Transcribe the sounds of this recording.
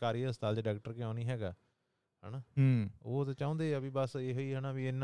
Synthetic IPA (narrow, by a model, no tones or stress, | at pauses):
kaːɾiːəst̪aːlt͡ʃːɖaːkʈəɾkɪãːniːɦɛːɡaː | ɦɛ̰ːnaːɦoːt̪ãːt͡ʃãõːnd̪eːəbiːbəseːɦoːiːɦɛːnaːbiɪnːa